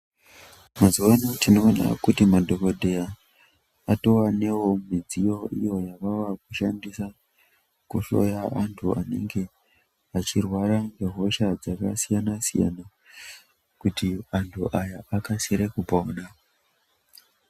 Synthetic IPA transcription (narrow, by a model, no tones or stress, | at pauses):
mazuwanotino̞ːna̰kutimadʱo̞kodʱe̞ja | ato̞wane̞wo̞mid͡zijo̞ʔijo̞jaʋawakuʃandisa | kuɬo̞̰jaantʰuane̞̰ŋɡe̞ | at͡ʃirwaɾaŋɡeɦo̞ʃad͡zakasijanasija̰na | kutiantʰuʔajaʔakasiɾekupona